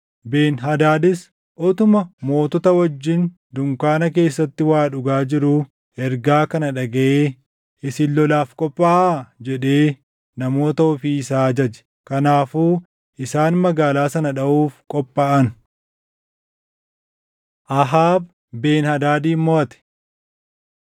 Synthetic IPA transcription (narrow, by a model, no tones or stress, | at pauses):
be̞ːnɦɐd̪aːd̪ɪs | ʔɔt̪ʊmɐmo̞ːt̪ɔt̪ɐwɐd͡ʒːɪn | d̪ʊŋkaːnɐk̬e̞ːsːɐt̪ːɪwaːᶑʊɡaːd͡ʒɪɾuː | ɛɾɡaːkɐnɐᶑɐɡɐʔeː | ɪsɪlːɔlaːfkʼɔpʼːaːʔd͡ʒɛᶑe̞ː | nɐmo̞ːt̪ɐɔfiːɪsaːd͡ʒɐd͡ʒɛ̥ | kɐnaːfuː | ʔɪsaːnmɐɡaːlaːsɐnɐᶑɐʔuːfkʼɔpʼːaːʔɐn | ʔɐɦaːb | be̞ːnhɐd̪aːd̪iːmːoːɐt̪ɛ̥